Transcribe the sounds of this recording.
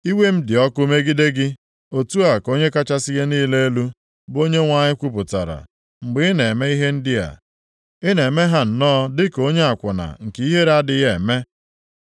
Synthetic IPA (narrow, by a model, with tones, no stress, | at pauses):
i˦we˦m̩˦dɪ˨ɔ˦kʊ˦me˦ɡi˦de˦ɡɪ˦ | o˨tu˦a˨ko˦ɲe˦ka˦t͡ʃa˦sɪ˦ɣe˦niː˦le˦e˦lu˦ | bo˦ɲe˦ŋʷa˨ɲɪ˦kʷu˦pʊ˨ta̰˨ɾa̰˨ | ŋ͡m̩˨ɡ͡bɪ˦ɪ˦ne˨me˦i˦ɦe˦n̩˦dɪ˦a̰˨ | ɪ˦ne˨me˦ɦa˦n̩˨nɔː˦dɪ˦ko˦ɲe˦a˨kʷʊ˨na̰˨ŋ̩˨ki˦ɦe˦ɾa˦dɪ˦je˨me˦